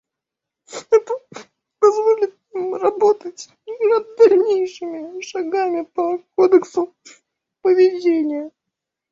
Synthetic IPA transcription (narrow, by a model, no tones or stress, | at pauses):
ɛt̪ə | pɐzvolʲɪt̪ | imrɐbot̪ətʲ | nɐd̪ːɐlʲnʲejʂɨmʲɪʂɐɡamʲɪpɐkod̪əksʊ | pəvʲɪdʲenʲɪjə